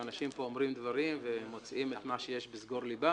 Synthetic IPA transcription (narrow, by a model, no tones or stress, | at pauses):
anaʃimpo̞omʁimd̪vaʁimvemo̞t͡sʔimet̪maʃeje̞ʃbizɡo̞ʁliba